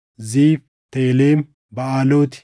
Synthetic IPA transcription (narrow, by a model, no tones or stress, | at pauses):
ziːf | t̪eːleːm | bɐaːloːt̪ɪ̥